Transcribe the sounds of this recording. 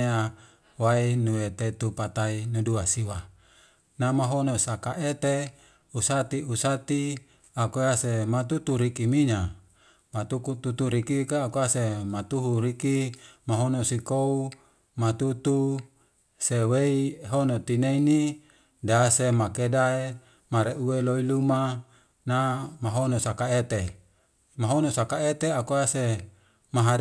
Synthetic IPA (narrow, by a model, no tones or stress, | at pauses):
ea | wainuet̪et̪upat̪ainuduasiwa | namaɦonosakaʔet̪e | usat̪iusat̪i | akoasemat̪ut̪uɾikimiɲa | mat̪ukut̪ut̪uɾikikaːkoasemat̪uɦuɾikimaɦonosikou | mat̪ut̪u | seweiɦonot̪ineini | dasemakedae | maɾeueloiluma | namaɦonosakaet̪e | maɦonosakaet̪eakoase | maɦa